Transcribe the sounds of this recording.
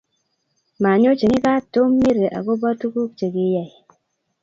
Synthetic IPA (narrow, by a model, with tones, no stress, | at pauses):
ma˨ɲo˦t͡ʃe˨ŋi˦ka˦to˦mːe˦ɾe˨ʔa̰˨ɡo˦ba˦tu˦ku˦k̚t͡ʃe˨ɡi˦ja˨j